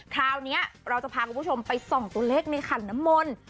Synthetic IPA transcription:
k̪ʰɾaː˧wni˦˥ɐɾa˧wt͡ɕa˨˩pʰaː˧kʰu˨˧˩pʰt͡ɕʰo˧mpa˧jsɔ˨˩ŋt̪u˧ɐleː˥˩k̚na˧jkʰa˨˩nːa˦˥mːo˧n

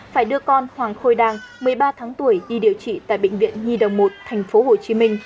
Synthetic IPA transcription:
faː˧˩jɗɨ˧əkɔ˧nhwaː˨˩ŋxo˧jɗaː˧ŋmɨ˨˩əjɓaː˧t̪ʰaː˨˦ŋt̪u˧˩əjɗi˧ɗi˨˩əwt͡ɕḭ˧˨t̪a̰ː˧˨jɓḛ˧˨ŋ̟vḭ˧˨ənɲi˧ɗə˨˩wŋ͡mmo˨˩t̚t̪ʰɛ˨˩jŋ̟fo˨˦ho˨˩t͡ɕi˨˦mï˧ŋ̟

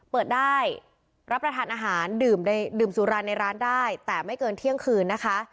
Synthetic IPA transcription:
pɤː˨˩t̪̚daː˥˩j | ɾa˦˥p̚ːɾa˧t̪ʰaː˨˦nʔaː˧ɦaː˩˦ndɯː˨˩mna˧jdɯː˨˩msuː˩˦ɾaː˧nːa˧jɾaː˦˥ndaː˥˩jt̪ɛː˨˩ma˥˩jkɤː˧nt̪ʰi˥˩əŋkʰɯː˧nːa˦˥kʰa˦˥

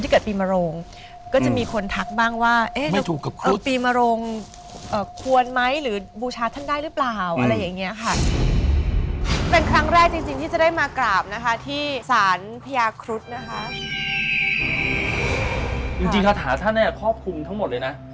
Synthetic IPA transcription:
i˥˩kɯː˨˩piː˧ma˧ɾo˧ŋ | kɔː˥˩t͡ɕa˨˩ʔmiː˧kʰo˧nt̪ʰa˦˥k̚baː˥˩ŋwaː˥˩ʔeː˦˥ma˥˩˦t̪ʰuː˨˩kːa˨˩kʰːpiː˧ma˧ɾo˧ŋ | ʔɤː˨˩kʰu˧ənma˦˥jɾɯː˩˦buː˧t͡ɕʰaː˧t̪ʰa˥˩ndaː˥˩jɾɯː˦˥plaː˨˩wʔʔa˧ɾa˧jːaː˨˩ŋːi˦˥ɐkʰa˥˩ | pe˧nkʰɾa˦˥ŋɾɛː˥˩k̚t͡ɕi˧ŋt͡ɕi˧ŋt̪ʰiː˥˩t͡ɕa˨˩daː˥˩jmaː˧klaː˨˩p̚na˦˥kʰa˦˥t̪ʰiː˥˩saː˩˦npʰa˧jaː˧kʰɾu˦˥t̪̚na˦˥kʰa˦˥ | ʔɯː˧˩ | t͡ɕi˧ŋt͡ɕi˧ŋkʰa˦˥t̪ʰaː˩˦t̪ʰa˥˩nːi˥˩kʰɔː˥˩p̚kʰu˧mt̪ʰa˦˥ŋmo˨˩t̪̚lːjna˦˥ʔ

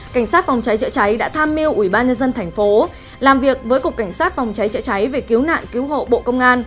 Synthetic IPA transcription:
ka˧˩ŋ̟saː˦˥t̚fa˨˩wŋ͡mt͡ɕa˨˦jt͡ɕə̰˧˥t͡ɕa˨˦jɗa̰ː˧˥t̪ʰaː˧mːi˧əwʔwi˧˩ɓaː˧nɲə˧nzə˧nt̪ʰɛ˨˩jŋ̟fo˨˦ | laː˨˩mvi˨˩ək̚vəː˨˦jku˨˩əkːa˧˩ŋ̟saː˦˥t̚fa˨˩wŋ͡mt͡ɕa˨˦jt͡ɕə̰˧˥jt͡ɕa˨˦jve˨˩ki˨˦wna̰ː˧˨nki˨˦wɦo̰˧˨ɓo̰˧˨kə˧wŋ͡mʔaː˧n

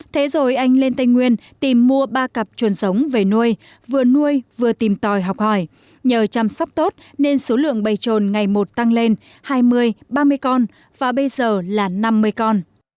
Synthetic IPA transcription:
t̪ʰe˨˦zo˨˩jʔa˧jŋ̟le˧nt̪a˧jŋŋwi˧ənt̪i˨˩mːu˧əɓaː˧kə˨˩p̚t͡ɕu˨˩ənsə˨˦wŋ͡mve˨˩nu˧əj | vɨ˨˩ənu˧əjvɨ˨˩ət̪i˨˩mt̪ɔ˨˩jɦɔ˨˩wk͡p̚hɔ˧˩j | ɲəː˨˩t͡ɕa˧˩msa˦˥k͡p̚t̪o˦˥t̚ | ne˧nso˨˦lɨ̰˧˨əŋɓə˨˩jt͡ɕo˨˩nŋa˨˩jmo˨˩t̚t̪a˧ŋle˧n | haː˧jmɨ˧əjɓaː˧mɨ˧əjkɔ˧n | vaː˨˩ɓə˧jzəː˨˩laː˨˩na˧mːɨ˧əjkɔ˧n

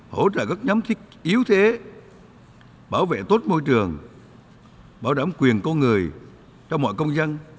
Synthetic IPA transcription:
ho̰˧˩˦t͡ɕə̰ː˧˨ɣə˦˥t̚ɲa˨˦mt̪ʰï˦˥k̚ʔi˨˦əwt̪ʰe˨˦ | ɓaː˧˩wvḛ˧˨t̪o˦˥t̚mo˧jt͡ɕɨ˨˩əŋ | ɓaː˧˩wɗaː˧˩mkwi˨˩ənkɔ˧nŋɨ˨˩əj | t͡ɕɔ˧wŋ͡mmɔ̰˧˨jkə˧wŋ͡mza˧n

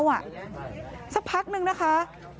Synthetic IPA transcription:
wʔa˨˩ | sa˦˥k̚pʰa˦˥k̚nɯ˧ŋna˦˥kʰa˦˥

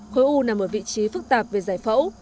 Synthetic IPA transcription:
xo˨˦jʔu˧naː˨˩mo˨˩t̚vḭ˧˨t͡ɕi˨˦fɨ˦˥k̚t̪aː˨˩p̚ve˨˩zaː˧˩jfə̰˧˥w

